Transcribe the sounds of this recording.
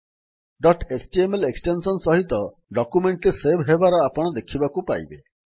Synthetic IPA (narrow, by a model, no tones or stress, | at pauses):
ɖɔʈesʈiemeleksʈensɔnsɔɦit̪ɔ | ɖɔkumeɳʈɾesebʱɦebaɾɔapɔɽ̃ɔd̪ekʰibakupa̰jbe